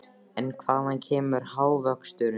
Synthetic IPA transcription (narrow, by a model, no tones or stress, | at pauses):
ɛnkʰvaːhancʰɛːmʏɾ̥haːwvœkst̪ʏːɾ